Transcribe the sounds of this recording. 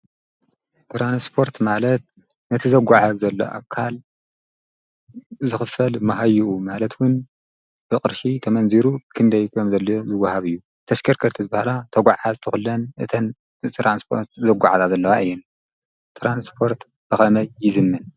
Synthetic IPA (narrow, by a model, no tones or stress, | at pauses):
t̪ʰɾanspʰo̞ɾt̪malɐt̪̚ | nɐt̪ʰizɐɡʷaʕazzɐlːo̰ʔa̰kʰːal | zɨxɨfɐlmɐɦajuʔumalɐt̪wʊn | b̥ɨkʼɨɾʃit̪ʰɐmɐnziɾukʰɨnd̪ɐjkʰɐmzɐlːojozɨwɐhaβɨjːu | t̪ʰɐʃkʰɐɾkʰɐɾt̪ʰizɨbahalat̪ʰɐɡʷaʕazt̪ʰɨxulːɐnʔɨt̪ʰɐn | t̪ʰɾanspʰoɾt̪̚zɐɡʷa̰ʕazazɐlːɐwaʔɨjːɛn | t̪ʰɾanspʰo̞ɾt̪ | b̥ɨxɐmɐjːɪzɨmːɨn